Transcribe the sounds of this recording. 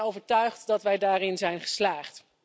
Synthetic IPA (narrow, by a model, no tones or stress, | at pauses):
owvəɹtœɥχtdɑtʋɛjdaːrɪnzɛjnχə̥slaːχt